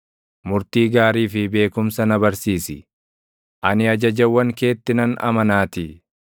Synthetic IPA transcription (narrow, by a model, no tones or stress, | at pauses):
mʊɾt̪iːɡaːɾiːfɪbe̞ːkʊmsɐnɐbɐɾsiːsɪ | ʔɐnɪɐd͡ʒɐd͡ʒɐwːɐŋke̞ːt̪ːɪnɐnɐ̰mɐnaːt̪ɪ